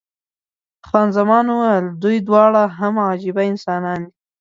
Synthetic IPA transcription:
xɑnzamɑnuwajəld̪ujd̪wɑɽaɦamɑd͡ʒibaɪnsɑnɑnd̪i

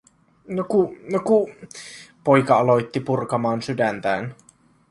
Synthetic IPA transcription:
nokunoku | po̞jkɑɑlo̞jt̪ːipurkɑmɑːnsydænt̪æ̰ːn

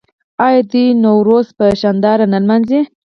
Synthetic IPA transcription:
ɑjɑd̪inowɾospəʃɑnd̪ɑɾanalmanze

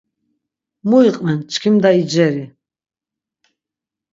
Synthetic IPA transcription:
muiqʼmɛnt͡ʃʰʼkʰimd̪aid͡ʒɛɾi

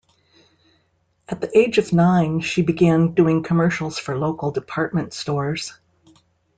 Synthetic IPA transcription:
ʔɨt̪̚ðiʔeɪd͡ʒʌvnãɪ̃nʃibɨɡæ̃nduɪ̃ŋkʰəmɜ˞ʃl̩ˠz̥fə˞loʊkl̩ˠdɨpʰɑɹt̚mɨ̃ntstɔɹz̥

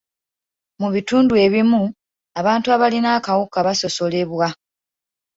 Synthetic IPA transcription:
muβituːndue̞βimu | aβaːntuaβalinaːkawukaβaso̞so̞le̞βwa

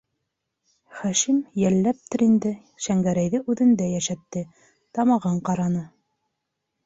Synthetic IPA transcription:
χæʃimjælːæp̚t̪ɘɾind̪ɘ | ʃæŋɡæɾæjðɘʔʉðɘ̆nd̪æjæʃæt̪ːɘ | t̪ɑmɑʁɤɴqɑɾɑnɤ

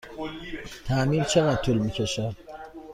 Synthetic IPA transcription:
t̪ʰæmiːnt͡ʃʰeɣæt̪ʰulmiːcʰeʃæ

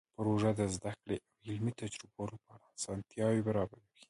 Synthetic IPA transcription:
pɾoʒad̪əzd̪akɽeʔawɪlmit̪ad͡ʒɾʊbɑlopɑɾaːsɑnt̪jɑwebaɾɑbaɾewi̥

